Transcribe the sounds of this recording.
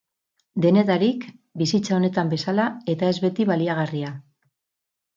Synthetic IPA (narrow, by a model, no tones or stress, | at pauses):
d̪e̞ne̞ðaɾikbisit͡sao̞ne̞t̪ambe̞salae̞t̪ae̞zβe̞t̪iβaliaɣaria